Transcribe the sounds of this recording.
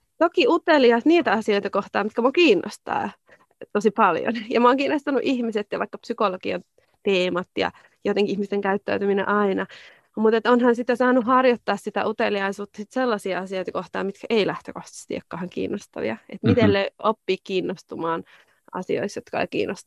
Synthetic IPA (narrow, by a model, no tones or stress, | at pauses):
t̪okiut̪eliɑsniːt̪æɑsiojt̪ɑkoht̪ɑːmit̪kæmokiːnːʔo̰st̪ɑ̰ː | t̪osipɑljo̰njɑmoːŋkiːnːost̪ɑnuʔihmiset̪jɑʋɑikːɑpsykolokiɑn | t̪eːmɑt̪jɑ̰ | jot̪eŋkiihmist̪eŋkæyt̪ːæyt̪yminḛ̃ʔɑinɑ | mut̪et̪onhɑnsit̪ːesɑːnuɦɑrjot̪ːɑːssit̪æ̰ʔut̪eliɑisuːt̪ːɑ̥sit̪selːɑsiɑɑsioit̪ɑkoht̪ɑ̰ːmit̪kæʔeilæht̪ø̰koht̪ɑ̥st̪ḭḛkːɑːhɑŋkḭːnːost̪ɑ̰ʋḭɑet̪mit̪elːeʔopːiːkkiːnːost̪umɑːn | ɑ̰sio̰isjot̪kɑɑ̰ikḭːnːʔost̪